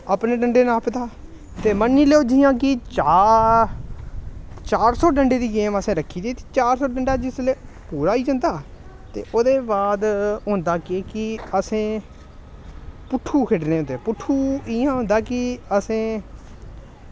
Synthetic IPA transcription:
aːpneːɖəɳɖeːnaːpd̪aː | t̪eːmənːĩːleoːd͡ʒijãːkɪt͡ʃa | t͡ʃaːɾsɔːɖəɳɖeːd̪iːɡeːməsẽːɾəkʰːiːd̪iːt̪i̥ːt͡ʃaːɾsɔːɖəɳɖaːd͡ʒɪsleːpuːɾaːiːd͡ʒənd̪aː | t̪ḛːʔoːd̪eːbaːd̪ɦʊ̃nd̪aːkɪkɪəsẽː | pʊʈʰːuːkʰeʈneːõnd̪eːpʊʈʰːuːɪjãːɦʊ̃nd̪aːkɪəsẽː

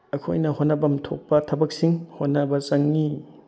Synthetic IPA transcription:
ɐkʰo̰jnɐhonɐbɐmtʰok̚pɐtʰɐbɐk̚siŋhonːɐbɐsɐŋːi

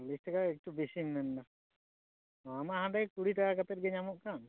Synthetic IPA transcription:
lisʈɛkaɛk̚ʈubisinnɛnːa | amaɦãɖakuɽiʈakakat̪ɛʈ̚ɡɛɲamɔʔkan

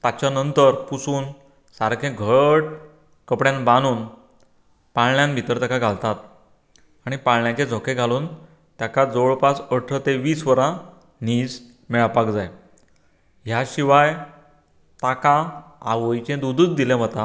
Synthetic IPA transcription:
t̪at͡ɕanənt̪əɾpusuːn | saɾkʰẽɡʱəʈ | kəpɽjãnbanuːn | paɭɳjãnbʱit̪əɾt̪akaɡʱalt̪at̪ | aɽ̃ipaɭɳjãt͡ɕẽd͡zʱɔkʰeɡʱaluːn | t̪jakad͡zoɭpasəʈʰət̪eʋiːsʋəɾã | niːd͡z | mɛɭapakd͡zaj | ɦjaɕiʋaj | t̪akaa̰ʋəjt͡ɕẽd̪ud̪ʱuːt͡sd̪ilẽm̤ət̪a

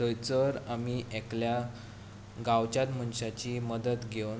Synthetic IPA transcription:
təjt͡səɾamiʔeklja | ɡawt͡ɕat̪m̤ənɕat͡ɕiməd̪ət̪ɡew

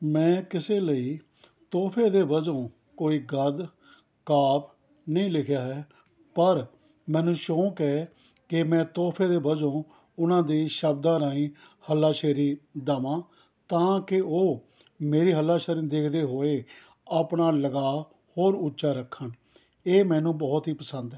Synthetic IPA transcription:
mɛ̃ːkɪseːləiː | t̪oːpʰeːd̪eːbəd͡ʒõː | koːiːɡəd̪ | kaːp | nəĩːlɪkʰjaːɦɛː | pəɾ | mɛ̃ːnũːʃõːkɛː | kɪmɛ̃ːt̪oːpʰeːd̪eːbəd͡ʒõː | ʊnãːd̪iːʃəbd̪ãːɾaːĩː | həlːaːʃeːɾiːd̪aːmãː | t̪ãːkɪoː | meːɾiːɦəlːaːʃeːɾĩːd̪eːkʰd̪eːɦoːeː | aːpɳaːləɡaː | hoːɾʊtːʃaːɾəkʰːən | eːmɛ̃ːnũːbɔːt̪ɦiːpəsə̃nd̪ɛː

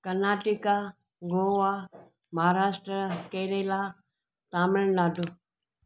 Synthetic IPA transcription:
kɐnaːʈɪka | ɡoːʋa | mɐɦaːɾaːʃʈɾəkeːɾeːla | t̪aːmɪ̃naːɖo

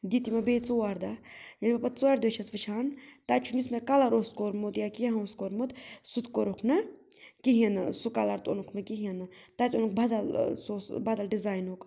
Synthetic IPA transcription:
d̪it̪imɐbeːt͡soaɾd̪ajɐnʲbɐpɐt͡soɐɾd̪ot͡ʃʰɐsʋɨt͡ʃʰaːnt̪ɐt͡ʃʰunismekɐlɐɾoskoɾmut̪jakiaɦoskoɾmut̪sut̪koɾokʰnɨkiɦĩɐnɨsukɐlɐɾt̪o̰nukʰnɨkiɦiɐnɨt̪ɐt̪ʲonuk̚bɐd̪ɐlsoːsbad̪ɐlɖizaːjnoːk

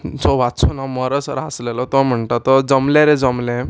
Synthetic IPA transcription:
t͡sɔʋat͡sʰunamɔɾəsɾaslelɔt̪ɔm̤əɳʈ̪at̪ɔd͡zɔmleɾed͡zɔmlẽ

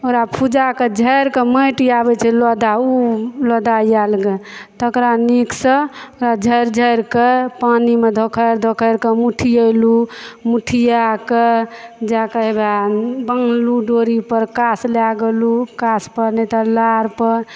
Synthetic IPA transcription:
oɾapʰud͡ʒaked͡ʒʱəjɾkeməjʈiabɛt͡ʃʰɛlɔd̪aulɔd̪aijalɡet̪əkɾaniksəoɾad͡ʒʱəjɾd͡ʒʱəjɾkepanimed̪ʱokʰəɾd̪ʱokʰəjɾkemuʈʰijəlumuʈʰijaked͡ʒakeebabəŋɡluɖoɾipəɾkaslaɡelukaspəɾnɛt̪əlaɾpəɾ

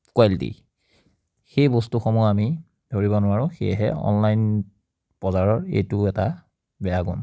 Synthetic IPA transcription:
kwaltḭ | xejbostuxomuami | d̥ʱoɹibɔnʊwaɹʊ̃xḛjɦɛ̰ɔ̰nlajn | b̥ɔzaɹɔɹḛjtʊɛta | bɛaɡɔ̰n

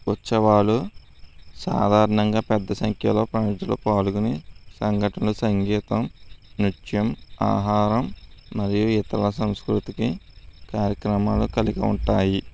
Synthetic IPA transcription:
ʋɐt͡ʃːɐʋaːlu | sa̰ːd̪ʱaːɾɐnɐŋɡaːpɛd̪ːɐsɐŋkʰjɐlo̞ːpɾɐnid̪ilo̰ːpaːlukunisɐŋɡʱɐʈɐlusɐŋɡɛːt̪ɐmniʈjɐma̰ːɦaːɾɐmːɐɾijuit̪ɐlɐsɐmskɾut̪ikikaːɾjɐkɾɐmaːlukɐlikɐuɳʈaːji

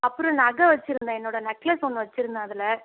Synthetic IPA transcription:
ɐpːɯɾõnɐɣɐʋɐt͡ʃːɪɾɯnd̪ãːɛnːoːɽɐnɐkːleːsɔnːɯʋɐt͡ʃːɪɾɯnd̪aɐðɪlɐ

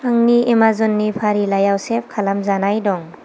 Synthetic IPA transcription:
aŋniemazɔnːipʰaɾilajawsep̚kʰalamzanajdɔŋ

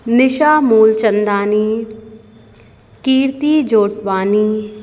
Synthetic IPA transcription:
nɪʃaːmuːlt͡ʃə̃nd̪aːniː | kiːɾt̪iːd͡ʒoːʈʋaːniː

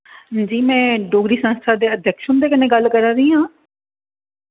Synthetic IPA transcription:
d͡ʒiːmɛ̃ːɖoːɡɾiːsə̃nst̪ʰaːd̪eːəd̪ʱjəkʃʊnd̪eːkɪneːɡəlkəɾaːɾəiːɦãː

